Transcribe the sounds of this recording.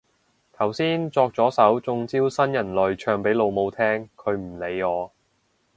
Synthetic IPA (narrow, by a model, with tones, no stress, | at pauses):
t̪ʰɐ˨˩wsiː˥nt͡sɔː˧k̚t͡sɔː˨˥sɐ˨˥wt͡sʊ˧ŋt͡siː˥wsɐ˥njɐ˨˩nlɵ˨˩ɥt͡ʃʰœː˧ŋpe˨˥jlo˨˧wmo˧wt̪ʰɛː˥ŋkʰɵ˨˧ɥm̩˨˩le˨˧jɔː˨˧